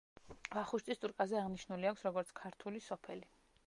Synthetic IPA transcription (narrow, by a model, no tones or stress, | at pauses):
vaχuʃt̪ʼist̪ʼuɾkʼazɛaʁniʃnuliakʰʷsɾɔɡɔɾt̪sʰkʰaɾt̪ʰulisɔpʰɛli